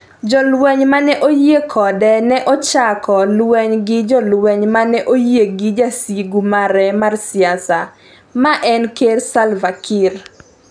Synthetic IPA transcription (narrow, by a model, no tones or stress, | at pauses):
d͡ʒɔlwɛɲmanɛʔojekʰɔdɛnɛʔɔt͡ʃakɔlwɛɲɡɪd͡ʒɔlwɛɲmanɛʔojeɡɪd͡ʒasiɡumaɾɛmarsɪasa | maʔɛnkersalvakʰir